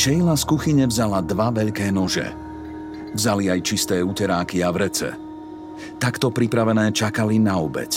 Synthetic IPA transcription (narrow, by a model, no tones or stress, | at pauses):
ʃɛjlaskuxiɲɛvzalad̪ʋaʋɛʎkɛːnɔʒɛ̰ | vzaliajt͡ʃist̪ɛːucɛɾaːkiavɾɛt͡sɛ̰ | t̪akt̪ɔpɾipɾaʋɛnɛːt͡ʃakalinaɔbɛ̰c